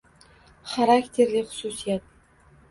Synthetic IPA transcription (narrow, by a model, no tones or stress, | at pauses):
χaɾaktʲʰerlʲiχʊ̥susijat̪̚